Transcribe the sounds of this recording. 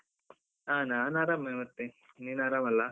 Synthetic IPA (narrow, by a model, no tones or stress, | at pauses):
aːnaːnaːɾamːemɐt̪ːe | ninaːɾamɐlːa